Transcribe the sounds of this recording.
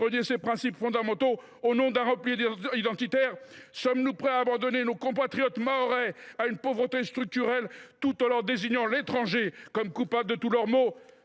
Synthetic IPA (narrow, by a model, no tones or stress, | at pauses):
ɔnjesepχɛ̃sipfɔ̃d̪amɑ̃t̪o | onɔ̃d̪ɛ̃ʁɑ̃pliid̪ɑ̃t̪it̪ɛʁsɔmnupχɛaːbɑ̃d̪ɔnenokɔ̃pat̪χijɔt̪maɔʁɛaynpovʁət̪est̪χyk̚t̪yʁɛlt̪ut̪ɑ̃lœʁd̪eziɲɑ̃let̪χɑ̃ʒekɔmkupabld̪ət̪ulœʁmo